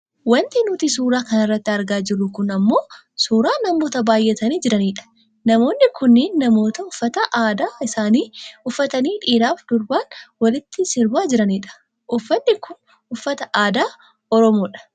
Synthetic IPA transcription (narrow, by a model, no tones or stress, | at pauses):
wɐnt̪ɪnʊt̪isuːɾaːkɐnɐrːɐt̪ːɪɐɾɡaːd͡ʒɪrːʊkʊnɐmːo̞ː | suːɾaːnɐmo̞ːt̪ɐbaːjʔɛt̪ɐniːd͡ʒɪɾɐniːᶑɐ̥ | nɐmo̞ːnːɪkʊnːɪːnːɐmo̞ːt̪ɐʊfːɐt̪ɐʔaːd̪aːɪsaːniːʊfːɐt̪ɐniːᶑiːɾaːfd̪̥ʊɾbaːnwɐlɪt̪ːɪsɪɾbaːd͡ʒɪɾɐniːᶑɐ̥ | ʔʊfːɐnːɪkʰʊn | ʊfːɐt̪ɐʔaːd̪aː | ɔɾɔmoːᶑɐ̥